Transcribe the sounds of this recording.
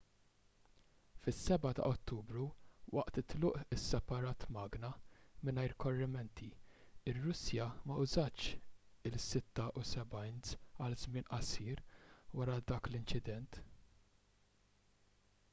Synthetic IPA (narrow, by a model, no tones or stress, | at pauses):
fɪsːɛbɐt̪ɐ̰ʔɔt̪ːuːbɾuwʔɐ̰ʔt̪ɪt̪lʊːʔɪsːɛpɐɾɐːt̪mɐːɡnɐmɪnɐjɾkɔrːɪmɛnt̪ʰiɪrːʊsjɐmɐʔʊzɐt͡ʃ | ɪlsɪt̪ːɐʔusɛbɐjnsɐlzmɪːnʔɐsiːɾwɐɾɐd̪ɐːklɪnt͡ʃɪd̪ɛnt̪